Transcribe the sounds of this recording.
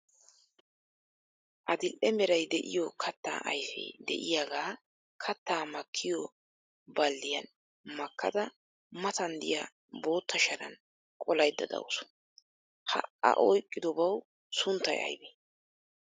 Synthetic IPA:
ʔɐd̪ɪlʔɛmɛɾɐjd̪ɛʔɪjɔkʰɐt̪ːa̰ːʔɐjfɛ̰d̪ɛ̰ʔɪjaːɡaː | kʰɐt̪ːaːmɐkʰːɪjɔ | bɐlːɪjɐn | mɐkʰːɐd̪ɐ | mɐt̪ɐnd̪ɪ̰ja̰ | bo̞ːt̪ːɐʃɐɾɐ̰n | kʼɔlɐjd̪ːɐd̪ɐ̰wʊsʊ̥ | hɐ̰ʔɐ̰ʔɔjkʼːɪd̪ɔbɐw | sʊnt̪ːɐjɐ̰jbɛ

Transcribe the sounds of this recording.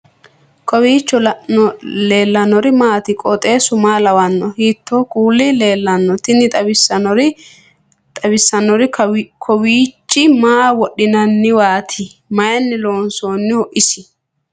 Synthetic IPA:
kɔwiːt͡ʃːɔlɔleːlːɐnɔɾɪmaːt̪ɪkʼɔt̪ʼe̞ːsʊmaːlɐwɐnːɔhiːt̪ːoːkʼuːlːɪleːlːɐnːɔt̪ɪnːɪt̪ʼɐbɪsɐɔɾɪ | t̪ʼɐbɪsːɐnːɔɾɪkʰɔwiːt͡ʃʼːɪmaːwɔɗɪnɐnːɪwaːt̪ʰɪ | mɐjɐnːɪloːnso̞ːnːɪhɔʔɪsɪ

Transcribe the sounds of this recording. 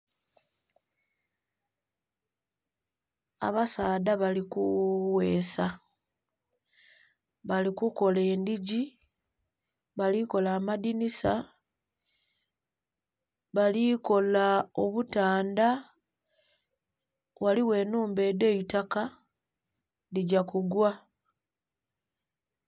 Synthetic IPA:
a̰βasaːdaβalikuwe̞ːsa | βalikuko̞leːndiɟi | βaliko̞laːmadinisa | βaliko̞lao̞βutaːnda | waliwe̞ːnuːmbe̞ːde̞itaka | diɟakuɡwa

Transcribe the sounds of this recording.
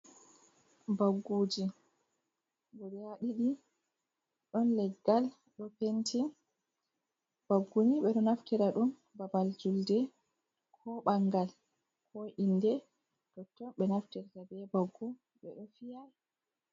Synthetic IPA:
baɡːuːd͡ʒi | bɔɾɛaɗiɗi | ɗɔnlɛɡːal | ɗɔpentʰi | b̥aɡːuniɓɛɗɔnaftiɾaɗum | babald͡ʒuldɛ | kʰɔɓaŋɡal | kʰɔindɛ | tɔtːɔɓɛnaftiɾtabɛbaɡːu | ɓɛɗɔfijaj

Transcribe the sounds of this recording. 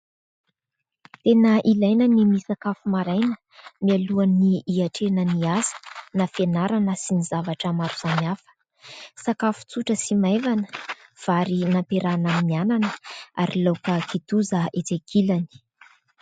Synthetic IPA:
t̪enəʔilajnənimisakafumaɾajnə | mialuanːiiaʈ͡ʂenəniazə̥nafenaɾanəsinizavaʈ͡ʂəmaɾuz̥anafə̥ | sakafu̥t͡suʈ͡ʂəsimajvanə̥v̥aɾinampeɾanamimiananəa̰ɾilokəkʰit̪uzəet͡sekʰilani̥

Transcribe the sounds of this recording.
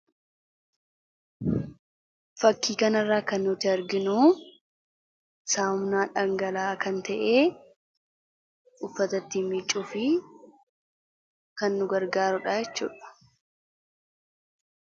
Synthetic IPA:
fɐkːiːkɐnɐrːaːkɐnːʊt̪ɪɐɾɡɪnuː | saːʊmnaːᶑɐŋɡɐlaːkɐnt̪ɐʔeː | ʊfːɐt̪ɐt̪ːimɪt͡ʃʼːʊfɪ | kɐnːʊɡɐɾɡaːɾʊᶑaːjɛt͡ʃːṵːᶑɐ̥

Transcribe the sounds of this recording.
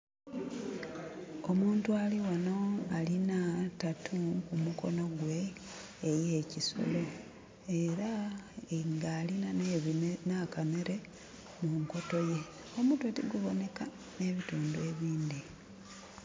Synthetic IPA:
o̞muːntualiwano̞alinatatʰukumuko̞no̞ɡwe̞ː | je̞ːciso̞̰lo̞ | e̞ɾa | ŋɡaːlinannaːkameɾe̞ | muŋko̞to̞je̞ | o̞muːntuetiɡuβo̞ne̞ka | ne̞βituːndue̞βiːnd̪i

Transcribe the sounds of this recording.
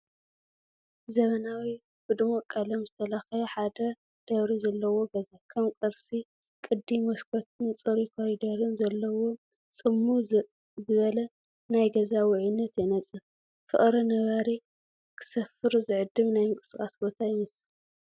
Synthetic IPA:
zɐβɐnawi | bɨd̪ɨmokʼːɐlɐmzɨt̪ʰɐlaxɐjħad̪ɐ | d̪̥ɐβɾizɐlːɐwo̞ɡɐzakʰɐmkʼɨɾsi | kʼɨd̪ːimɐskʰɔt̪ʰɨnt͡sʼɨɾikʰoɾid̪ɐɾɨnzɐlːɐwo̞ | t͡sʼɨmːu | zɨβɐlɐ | najɡɐzawɪʕinːɐt̪jɛnɐt͡sʼɨf | fɨ̰ʔʼɾɐnɐβaɾi | kʰɨ̥sɐfɨɾzɨʕɨd̪ːɨβnajmɨkʼɨ̥sɨkʼasbo̞t̪ʰajɪmɐsɨl

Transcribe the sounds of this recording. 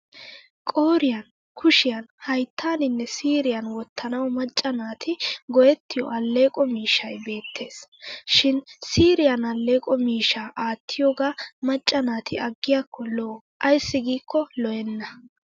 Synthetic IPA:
kʼoːɾɪjɐn | kʰʊʃɪjɐnhɐjt̪ːaːnɪnːɛsiːɾɪjɐnwɔt̪ʰːɐnɐwmɐt͡ʃʼːɐnaːt̪ʰɪɡɔjɛt̪ːɪjɔ̰ʔɐlːeːkʼɔmiːʃɐjbe̞ːt̪ʰːe̞ːsʃɪnsiːɾɪjɐnɐlːe̞ːkʼɔmiːʃaːʔaːt̪ʰːɪjɔɡaːmɐt͡ʃʼːɐnaːt̪ʰɪɐɡːɪjakʰːɔloː | ʔɐjsːɪɡiːkːɔlɔjɛnːɐ

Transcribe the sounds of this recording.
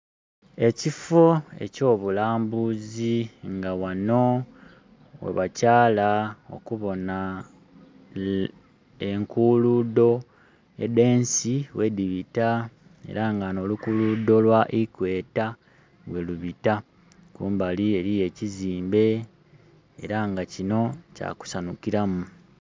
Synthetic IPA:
e̞cifoe̞̰co̞ːβulaːmbuziŋɡawano̞ | wḛβacaːlao̞̰kuβo̞na | eŋkuːludo̞ | ḛde̞ːnsiwe̞diβita | e̞̰ɾaŋɡano̞ːlukulud̪o̞lwaʔikwe̞ːta | ɡwe̞luβita | kuːmbalie̞ɾije̞ciziːmbe̞ | ḛɾaŋɡacino̞ca̰ːku̥sanukiɾamu

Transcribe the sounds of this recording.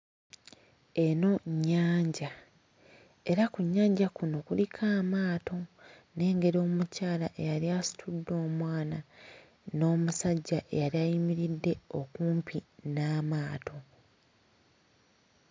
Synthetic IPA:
e̞no̞ɲːaːɲɟa | e̞ɾakuɲːaːɲɟakuno̞kulikʰaːmaːto̞ | ne̞ːŋɡe̞ɾo̞ːmucaːlaʔe̞jaɾiasi̥tʰudːo̞ːmwaːna | no̞ːmusaɟːaʔe̞jaɾiajimiɾidːe̞o̞kuːmpʰinaːmaːtʰo̞

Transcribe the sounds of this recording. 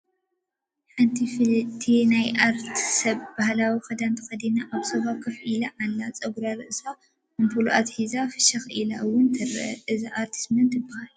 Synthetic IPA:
ħɨnt̪ʰiflt̪ʰːinajʔaɾt̪ʰi̥sɐβbahlawixɐd̪ant̪ʰɨ̥xɐd̪inaʔaβsɐβakʰɐfʔilɐʔalːat͡sʼɐɡuɾaɾɨʔsa | mɨntʰuluʔa̰t̪hizafɨʃɐxʔilaʔɨwʊnt̪ʰɐɾɐ̰ʔɐʔɨziʔaɾt̪ʰi̥smɐnt̪ɨbːahalu

